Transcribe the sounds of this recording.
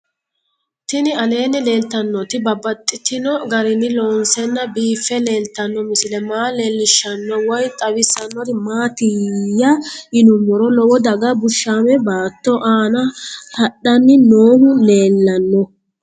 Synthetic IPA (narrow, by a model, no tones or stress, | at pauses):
t̪ɪnɪɐle̞ːnːɪle̞ːlt̪ːɐnːɔt̪ɪbɐbːɐt̪ʼːɪt̪ɪnɔɡɐɾɪnːɪlɔːnsɛnːɐbiːfːɛle̞ːlt̪ːɐnːɔmɪsɪlɛmaːleːlːɪʃːɐnːɔwɐjt̪ʼɐwɪsɐnːɔt̪ɪmaːt̪ɪjɐɪnʊmːɔɾɔlɔwɔd̪ɐɡɐbʊʃːaːmɛbaːt̪ːɔʔaːnɐhɐɗːɐnːɪnoːhʊle̞ːlːɐnːɔ